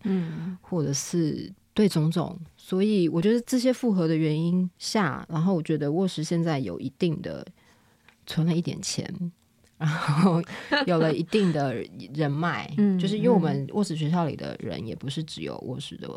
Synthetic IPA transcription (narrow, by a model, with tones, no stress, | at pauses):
xwɔ˥˩ʈ͡ʂɤ˨˩ʂɻ̩˥˧t̪we˥˩ɪt͡sʊ˥ŋt͡sʊ̰˥˩ŋswɔ˧˥i˨˩wɔ˨˩t͡ɕɥwɛ˧˥də˥ʈ͡ʂɤ˥˩ɕ̬jɛ˥fu˥˩xɤ˧˥d̪ə˨ɥɛ˧˥ni˥nɕja̰˥˩ɻa˧˥nxo˥˩ʊwɔ˨˩t͡ɕɥɛ˧˥d̪ə˧wɔ˥˩ʂɻ̩˧˥ɕjɛ˥˧nt͡sa˥˩ɪjo̰˨˩ʊʔi˧˥t̪i˥˩ŋd̪ə̰˩ | t͡sʰwə˧˥nla˧ɪi˥˩jɛ̰˨˩nt͡ɕʰjɛ̰˧˥n | ɻa˧˥nxo˥o˥˩ʊjo˨˩ʊlə˦i˧˥t̪i˥˩ŋd̪ə˩ɻə˧˥nma˥˩ɪ˥˩t͡ɕo˥˧ʊʂ̬ɻ̩˥˧jo˥˩wmə˨˦nwɔ̰˥˩ʂɻ̩˥˩ɕ̬ɥɛ˧˥ɕ̬jɑ˥ʊlḭ˨˩d̪ə̰˦ɻə̰˧˦njɛ̰˨˩pu˧˦ʂɻ̩˥˩ʈ͡ʂɻ̩˧˥jo̰˨˩ʊwʔɔ̰˥˩ʂɻ̩˧˥d̪ə̰˧